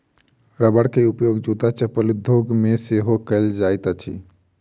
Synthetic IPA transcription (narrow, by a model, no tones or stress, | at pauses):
ɾəbəɽkeupjoɡd͡ʒut̪at͡ʃəpəlid̪ʱoɡmeseɦokəld͡ʒajt̪at͡ʃʰḭ